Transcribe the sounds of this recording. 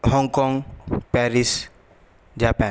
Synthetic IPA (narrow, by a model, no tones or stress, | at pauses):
hɔŋkɔŋpaɾis | d͡ʒapã